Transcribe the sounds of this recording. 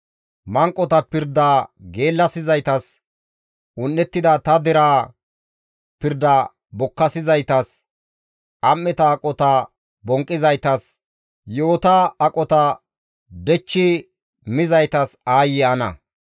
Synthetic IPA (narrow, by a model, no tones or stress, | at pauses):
mɐŋkʼːɔt̪ɐpɪɾd̪aɡe̞ːlːɐsɪzɐjt̪ɐs | ʊnːɛt̪ːɪd̪ɐt̪ɐd̪ɛɾaː | pɪɾd̪ɐ | bɔkːɐsɪzɐjt̪ɐs | ʔɐmːɛt̪ɐːkʼɔt̪ɐ | bɔŋkʼːɪzɐjt̪ɐs | jo̞ːt̪aːkʼɔt̪ɐ | d̪ɛt͡ʃːɪ | mɪzɐjt̪ɐsaːjɪɐnɐ̰